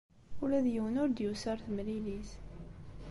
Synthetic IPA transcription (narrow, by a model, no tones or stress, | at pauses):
ulæðjəwənʊɾd̪jusəɾˤθmlilis